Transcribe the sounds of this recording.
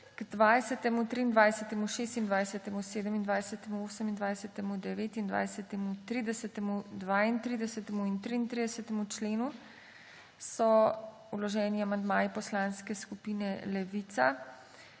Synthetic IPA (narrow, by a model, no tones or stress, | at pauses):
ɡ̥d̪ʋaːjsɛt̪ɛmut̪ɾiːnd̪ʋajsət̪ɛmuʃeːst̪ind̪ʋajsɛt̪ɛmuseːd̪əmind̪ʋajsɛt̪ɛmuoːsəmind̪ʋajsɛt̪ɛmud̪ɛʋeːt̪ind̪ʋa̰jsɛt̪ɛmut̪ɾiːd̪ɛsɛt̪ɛmud̪ʋaːint̪ɾid̪ɛsɛt̪ɛmuint̪ɾiːnt̪ɾid̪ɛsɛt̪ɛmut͡ʃleːnu | sɔ | ulɔʒɛːniamand̪maːjipɔslanskɛskupiːnɛlɛʋit̪sa